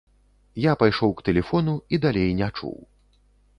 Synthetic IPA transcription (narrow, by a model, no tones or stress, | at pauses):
japajʂɔwkt̪ɛlʲɛfɔnuid̪alʲejnʲat͡ʂṵw